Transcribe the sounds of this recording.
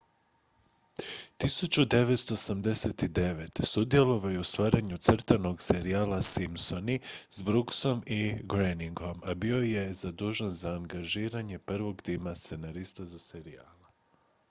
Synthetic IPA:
t̪isut͡ɕud̪e̞ʋe̞t̪st̪o̞samd̪e̞set̪id̪e̞ʋe̞t̪sud̪je̞lo̞ʋajuust̪ʋaːɾaɲut̪sr̩t̪ano̞ɡse̞ɾiaːlasimso̞nizbɾukso̞miɡɾeniŋɡo̞mabio̞je̞zad̪uːʒanzaːŋɡaʒiːɾaɲe̞pr̩ʋo̞ɡt̪imast̪se̞naɾist̪azase̞ɾia̰ːla

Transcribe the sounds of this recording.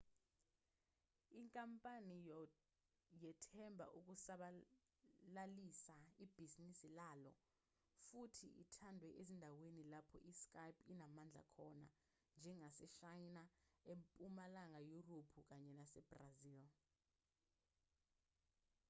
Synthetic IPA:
iŋkʼampʼanij | jɛtʰɛmbʱa̰ʔuk̬ʼusaɓa | lalisaib̥ʱizinisilalɔ̰ | futʰḭʔitʰandʱwɛʔezindʱawenilapʰɔ̰ʔiskʼajpʰinamand͡ɮʱa̰kʰɔna̰ | nd͡ʒʱɛŋasɛʃajnaempʼumalaŋajuropʰuk̬aɲɛnasɛb̥raziːl

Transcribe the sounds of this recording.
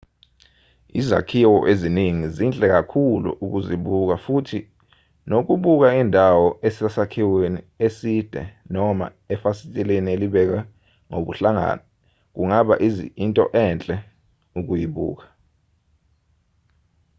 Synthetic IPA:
ḭza̰kʰiwɔʔeziniŋizint͡ɬʼɛk̬akʰulṵʔuk̬uziɓuk̬afutʰi | nok̬uɓuk̬aindʱawɔesasakʰiweni | esid̥ʱɛ̰nɔma̰ | ɛfasitʼɛlenieliɓɛk̬a | ŋoɓṵɬaŋa̰ːnɔ | k̬uŋaɓa̰ʔizḭintʼɔ̰ʔɛːnt͡ɬʼɛ | uk̬ujiɓṵːk̬ḁ

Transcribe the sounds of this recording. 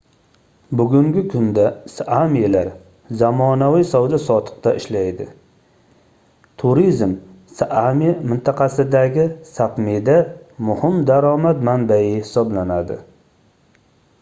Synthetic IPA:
bʊɡʲʊŋɡʲɪkʰʊnd̪asamilaɾ | zamɒnawɪsawd̪asɒt̪ʰɨ̥q̚t̪aʔɪʃlajd̪ɪ̰ | t̪ʰʊɾizm | sʔamimɪnt̪ʰɑqʰɑsɪd̪aɡʲɪsapmed̪amʊhɪmd̪aɾɒmat̪manbajɪhɪsɒblanad̪ɪ̰

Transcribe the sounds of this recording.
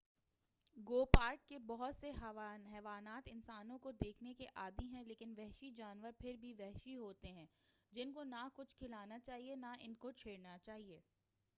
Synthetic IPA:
ɡoːpaːɾʈ̚kebɔɦʊt̪seɦɦɛːʋaːnaːt̪ɪnsaːnõkod̪eːkʰnekeʔaːd̪miɦɛ̃leːkɪnʋɛɦʃid͡ʒaːnʋəɾpʰɪɾbʱiʋɛɦʃiɦoːt̪eɦɛ̃ːd͡ʒɪnkonakʊt͡ʃʰkʰɪlaːnat͡ʃaːɦienaʔɪ̰nkot͡ʃʰeːɽnat͡ʃaːɦieː

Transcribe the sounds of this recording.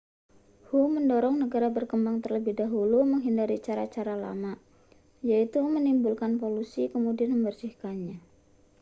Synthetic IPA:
huməndɔɾɔŋnəɡaɾabərkəmbaŋt̪ərləbɪhdaɦuluməŋɦindaɾit͡ʃaɾat͡ʃaɾala̰ma | jait̪umənimbulkanpolusikəmudianməmbərsihkanɲa

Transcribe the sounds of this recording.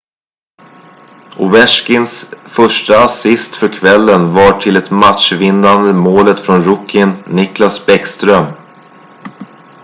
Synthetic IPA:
ʔʊvɛʂkɪnsfœʂʈaasɪst̪fœɾkʰvɛlːənvaʈʰɪlɛt̪mat̪ʂvɪnːand̪əmoːlət̪fɾɔnɾʊkːɪnːɪklasbɛkst̪ɾœm

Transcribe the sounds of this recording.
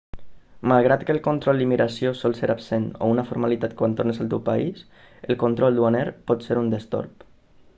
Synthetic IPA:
malˠɣɾat̪kəːlˠkont̪ɾɔlˠd̪imiɾasiosɔlˠseɾapseno̰unəfoɾmalit̪at̪kwant̪ornəsəlˠt̪ewpais | əlˠkont̪ɾɔlˠd̪uanɛɾpɔt̪seɾund̪əst̪o̰ɾp

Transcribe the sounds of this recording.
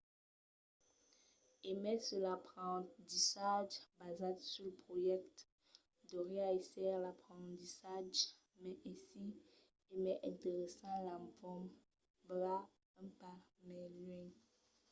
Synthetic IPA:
emɛsəlapχɑ̃t̪isaʒbazad̪syləpχojɛk̚t̪ | d̪oʁeaesɛʁlapχɑ̃t̪isaʒ | mɛʔɛ̃si | emɛʔɛ̃t̪eʁesɑ̃lãvɔm | bla | ɛ̃pamɛlɥɛ̃ŋ

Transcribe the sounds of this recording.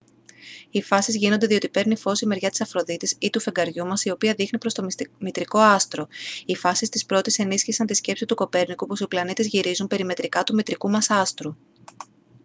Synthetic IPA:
ifɐsizʝino̞nd̪e̞ðio̞t̪ipe̞ɾnifo̞sime̞ɾʝɐt̪i̥sɐfɾo̞ðit̪isit̪ufe̞ŋɡɐɾʝumɐsio̞piɐðixnipɾo̞st̪omit̪ɾiko̞ɐst̪ɾo̞ifɐsist̪ispɾo̞t̪ise̞nisçisɐnt̪isce̞psit̪uko̞pe̞ɾnikupo̞siplɐnit̪ezʝiɾizumpe̞ɾime̞t̪ɾikɐt̪umit̪ɾikumɐsɐst̪ɾu

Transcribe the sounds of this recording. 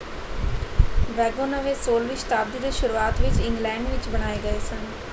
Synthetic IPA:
ʋɛːɡonəʋesoːlʋɪt͡ʃt̪aːbd̪id̪ʃʊɾuaːt̪ʋɪt͡ʃɪ̃ŋɡlɛ̃ːɳɖʋɪt͡ʃbɐɽ̃aːeɡɐesɐn

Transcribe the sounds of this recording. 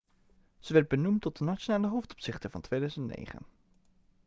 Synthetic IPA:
z̥əʋɛɹd̚bənumtɔt̚dənat͡ʃonaːləɦowftɔ̥psɪχtəvɑ̰ntʋejdœɥzəntnḛjχə̰n

